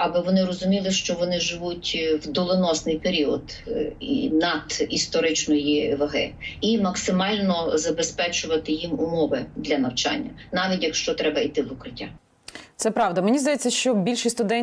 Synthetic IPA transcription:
ɐbɪʋɔnɪɾɔzʊmʲilˠɪʃt͡ʃɔʋɔnɪʒɪʋutʲwd̪ɔlˠɪnɔsnɪjpeɾʲiɔd̪ḭnɐd̪ist̪ɔɾɪt͡ʃnɔjiʋɐɦɪ̰imɐksɪmɑlʲnɔzɐbespɛt͡ʃʊʋɐt̪ɪjimʊmɔʋɪd̪lʲɐnɐwt͡ʃɑ̰nʲːɐnɑʋʲitʲjɐkʃt͡ʃɔt̪ɾɛbɐit̪ɪʋʊkɾɪtʲːa | t̪sɛpɾɑwd̪ɐmenʲizd̪ɐjɛt͡sʲːɐʃt͡ʃɔbʲilʲʃɪsʲt̪ʊd̪ɛn

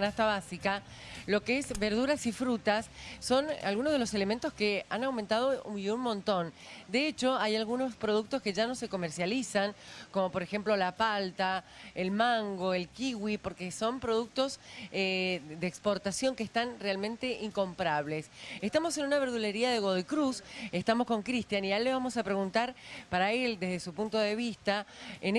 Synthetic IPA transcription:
nast̪aβasika | lo̞keezbeɾð̞uɾasifɾut̪asːo̞na̰lɣunozð̞elo̞se̞le̞ment̪o̞skeanawment̪að̞oiunmõ̞nt̪o̞nd̪eet͡ʃo̞ajalɣuno̞spɾoð̞uk̚t̪oske̞ʒano̞se̞ko̞meɾsjalisaŋko̞mo̞po̞ɾexe̞mplo̞lapalt̪aelmaŋɡo̞elkiɣwipo̞ɾkeso̞mpɾo̞ð̞uk̚t̪o̞sed̪eːkspo̞ɾt̪asjo̞ŋkeːst̪anrealmẽnt̪e̞ʔiŋko̞mpɾaβ̞le̞sest̪amo̞se̞nunaβeɾðule̞ɾiaðe̞ɣoðoikɾusest̪amo̞sko̞ŋkɾist̪janialːeβamo̞sapɾe̞ɣunt̪aɾpaɾae̞ld̪ezðesupunt̪o̞ðe̞β̞ist̪aen

